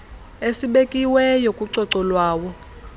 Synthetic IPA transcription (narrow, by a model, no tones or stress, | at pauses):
esiɓekʼiwɛjokʼuǀɔǀɔlwaːwɔ